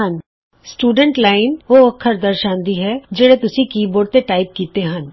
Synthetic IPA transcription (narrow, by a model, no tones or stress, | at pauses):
ɦɐ̃n | sʈuːɖə̃ɳʈlaːɪnoɐkʰːəɾd̪ɐɾʃãːnd̪iɦɛd͡ʒɐɽet̪ʊsikiːboːɽt̪eʈaːɪp̚kiːt̪eɦɐ̃n